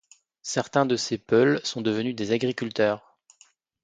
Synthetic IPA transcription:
sɛʁt̪ɛ̃d̪əsepœlsɔ̃d̪əvənyd̪ezaɡʁikʲylt̪œːʁ

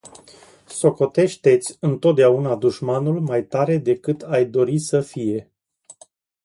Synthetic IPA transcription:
so̞ko̞t̪e̞ʃt̪e̞t̪sʲɨnt̪ot̪̚d̪eaunad̪uʃmanulmajt̪aɾe̞d̪e̞kɨt̪ʰajd̪o̞ɾisəfije̞

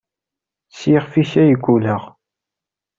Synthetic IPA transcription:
sjiʁfiçæjəɡʷːuləʁ

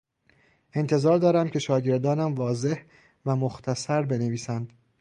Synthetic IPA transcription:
ʔe̞nt̪ʰe̞zɒːɾd̪ɒːɾæmcʰʲe̞ʃɒːɟe̞ɾd̪ɒːnæmvɒːze̞h | væmoxt̪ʰæsæɾbe̞ne̞viːsænd̪̥

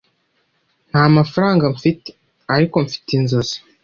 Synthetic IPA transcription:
n̥haːmafaɾaːŋɡaɱfite̥ | aɾiko̞ɱfi̥tinzozḁ

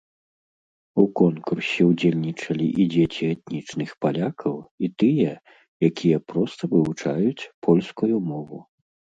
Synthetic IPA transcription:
ukɔnkursʲɛwd͡zʲelʲnʲit͡ʂɐlʲiʔid͡zʲet͡sʲiɛt̪̚nʲit͡ʂnɨxpalʲakʰɐwit̪ɨjɛ | jakʲʰijɛpɾɔst̪ɐvɨvut͡ʂajut͡sʲpʰɔlʲskujumɔvu

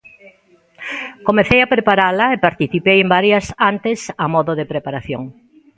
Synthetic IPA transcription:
komeθejapɾepaɾalɐepaɾt̪iθipejembaɾjɐsant̪esamɔðoðepɾepaɾaθjoŋ

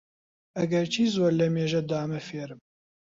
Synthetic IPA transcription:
ɐɡɛɾt͡ʃʰiːzwɛɾlɛmeːʒɛd̪aːmɛfeːɾɨm

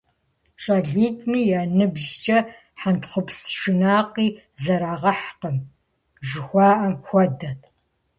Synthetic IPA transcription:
ɕʼɐɮiːtʰʼmiːjaːnɨbzt͡ʃʼɐ | ħantχʷʊpsʃɪnaːqiː | zɐɾaːʁɐħqəm | ʒɪxʷɑːʔɐmxʷɔdɐtʰ

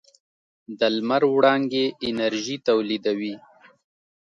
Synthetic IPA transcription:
d̪əlmaɾwɽɑŋɡeʔɪnaɾʒit̪awlid̪awi

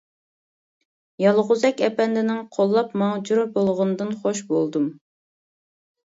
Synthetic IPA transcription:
jɑlˠʁʊzɛkʲɛpɛnd̪ɪnɪŋqʰolˠːɑpmɑŋd͡ʒuɾɨbolˠʁʊnɨd̪ɨnχoʃbolˠd̪um

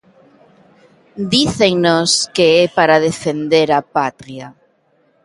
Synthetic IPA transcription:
d̪iθeŋnoskeepaɾað̞efend̪eɾapat̪ɾia

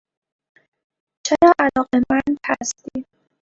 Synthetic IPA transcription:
t͡ʃʰeɾɒːʔælɒːɣemænd̪hæst̪iːd̪̥

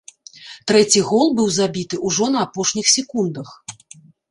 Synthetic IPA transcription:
t̪ɾɛt͡sʲiɣɔlˠbɨwzabʲit̪ɨʔuʐɔnɐapɔʂnʲixsʲɛkund̪ɐx

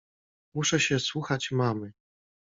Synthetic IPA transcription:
muʂɛɕɛswuxat͡ɕmamɘ

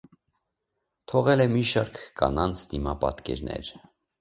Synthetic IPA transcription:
t̪ʰɔʁɛlɛmiʃɑɾkʰːɑnɑnt͡sʰd̪imɑpɑt̪kɛ̰ɾnɛ̰ɾ

